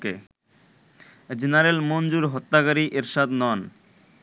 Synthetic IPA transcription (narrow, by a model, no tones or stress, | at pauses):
kḛ | d͡ʑenaɾelmond͡ʑuɾɦot̪ːakaɾiʔeɾʃad̪nɔn